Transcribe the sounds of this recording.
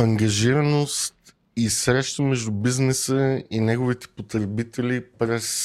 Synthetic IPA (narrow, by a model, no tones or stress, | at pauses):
ɐŋɡɐʒiɾɐnost̪ | isɾɛʃt̪əmɛʒd̪ubiznɛsəinɛɡovit̪ɛ̥pot̪ɾɛbit̪ɛlipɾɛs